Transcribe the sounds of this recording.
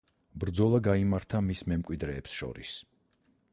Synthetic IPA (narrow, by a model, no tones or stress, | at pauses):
bɾd̪zɔlˠaɡaimaɾt̪ʰamismɛmkʼwid̪ɾɛːpsʃɔ̰ɾis